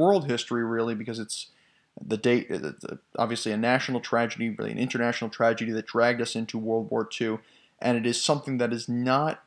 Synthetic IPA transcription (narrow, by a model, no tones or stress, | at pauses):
ɜ˞lˠd̚ɦɪstɹ̥iɹɪlˠibɨkʌzɨts | ðɨdeɪɾ̰ | ɑ̰bviɨsliɨnæʃn̩l̩ˠtʰɹ̥æd͡ʒɨɾiɹɪ̰lˠḭɨ̰̃nʔɪ̃ntə˞næʃnl̩ˠtʰɹ̥æd͡ʒɨɾiðɨt̚d̥ɹæɡ̚dʌsɪ̃ntʰuwɜ˞lˠd̚wɔɹtʰʉ | ʔɨ̃ñɨɾɨz̥sʌ̃mθɪ̃ŋðɨɾɨznət̚